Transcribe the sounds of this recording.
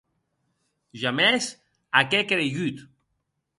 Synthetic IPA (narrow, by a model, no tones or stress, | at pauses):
ʒames | akekeɾeʝyt̪